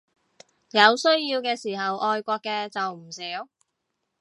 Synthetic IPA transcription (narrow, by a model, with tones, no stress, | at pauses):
jɐ˨˧wsɵ˥ɥjiː˧wkɛː˧siː˨˩ɦɐ˨wʔɔː˧jkʷɔː˧kːɛː˧t͡sɐ˨wm̩˨˩siː˨˥w